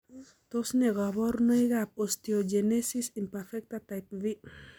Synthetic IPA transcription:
t̪osneɣaβoɾnojɣap̚ost̪iod͡ʒenesisimpeɾfek̚t̪at̪ajp̚βi

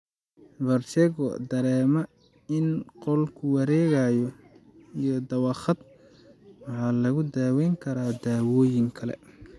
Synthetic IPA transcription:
bɐrt̪ɛɣɔ̰d̪ɐɾɛːmɐ | ɪnqɔlkʰʊwɑɾɛːɣajɔ | ijɔd̪ɐwɑχɑd̪̚ | wɑħɑːlɐɣʊd̪aːwɛjŋkʰɐɾaːd̪aːwɔːjɪŋkʰɐlɛ̰

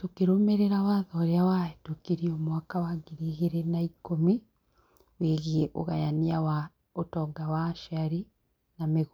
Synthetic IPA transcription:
tokeɾomeɾeɾawaðɔːɾeawaetokiɾiomwakawaɡiɾiɣeɾenaikomi | weɣieʔo̰ɣa̰janiawa | otɔɡawaːʃaɾi | nameɣ

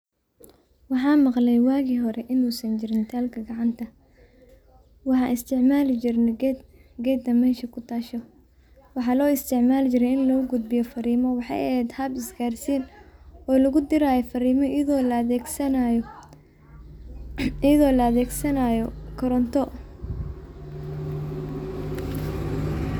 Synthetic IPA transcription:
wɑħɑːnmɑqlɛjwaːɣiːɦɔɾɛʔɪnuːsɐnt͡ʃɪɾɪnt̪ʰaːlkʰɐɡɑʕɑnt̪ʰɐ | wɑħɑnʔɪst̪ʰɪʕmaːlɪt͡ʃɪrnɛɡɛɡɛːd̪ɐmɛːʃɐkʰʊt̪ʰaːʃɔ | wɑħɑːlɔːɪst̪ʰɪʕmaːlt͡ʃɪɾɛjɪnlɔːɡʊd̪̚bɪjɔfɐɾiːmɔwɑħɑ̰jɛɛːd̪hɐbɪsɡaːrsiːnɔːlɐɣʊd̪ɪɾaːjɔfɐɾiːmɔðɔːlɛsɐj | jɐðɔːlɐɐðɛːɡsɐnajɔkʰɔɾɔnt̪ʰɔ

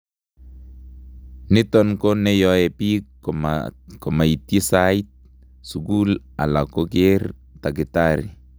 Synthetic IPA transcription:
nit̪ɔnkonejoepḭ | komait̪isait̪̚ | suɡul | a̰lakoɡer | t̪aɡit̪aɾḭ

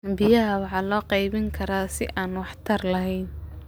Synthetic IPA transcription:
bɪjɐɦɐwɑħɑːlɔːqɑjβɪŋkʰɐɾaːsɪ̰ʔaːnwɑħt̪ʰɐrlɐɦɛjn

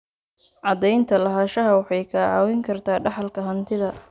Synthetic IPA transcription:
ʕɑd̪ɛjnt̪ʰɐlɐɦaːʃɐɦɐwɑħɑjkʰɐʕɑːwɪŋkʰɐrt̪ʰaːɖɑħɑlkʰɐɦɐnt̪ʰɪðɐ

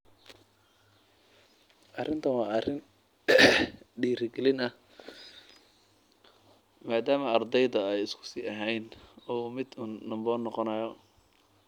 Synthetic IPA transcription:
ʔɐrɪnt̪ʰɐwɑːɐrɪn | ɖiːɾɪɡɛlɪnɐ | maːd̪aːmɐɐrd̪ɛjðɐɛjɪskʰʊ̥siːɐɦɛjnɔːmɪd̪unːɐmbɔːnːɔqɔnɐjɔ

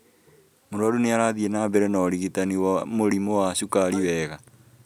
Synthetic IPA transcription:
moɾaɾuneaɾaðienaːβɛɾɛnaɾiɣitaniwamoɾimowaʃukaɾiwɛːɣa

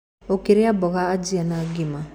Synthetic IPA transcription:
okeɾejabɔɡaːd͡ʒianaɡema

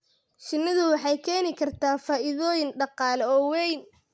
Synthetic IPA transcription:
ʃɪnːɐðʊwɑħɑjkʰɛːnɪkʰɐrt̪ʰaːfaːʔɪðɔːjɪnɖɑqɑːlɔːwɛjn

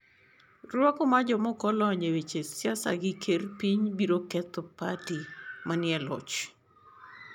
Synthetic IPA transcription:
rwɔkɔmad͡ʒɔmɔkɔlɔɲewet͡ʃesjasa̰ɡɪkʰerpiɲbiɾokɛt̪opatimanɪɛlɔ̰t͡ʃ

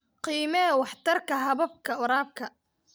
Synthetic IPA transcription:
qiːmɐɛwɑħt̪ʰɐrkʰɐɦɐβɐb̚kʰɐʊɾaːb̚kʰɐ

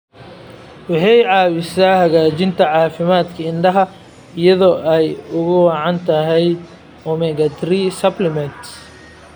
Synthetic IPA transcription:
wɑħɑjʕɑːwɪsaːhɐɣaːt͡ʃɪnt̪ʰɐʕɑːfɪmaːd̪kʰɐɪnɖɐɦɐ | ɪjɐðɔːʔɛjʊɣʊwɑːʕɑnt̪ʰɐɦɛj | ɔmɛɡɐt̪ɾisɐblɪmɛnt̪

